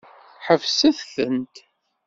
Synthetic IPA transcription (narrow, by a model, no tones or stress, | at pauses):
ħəvsæθθənt̪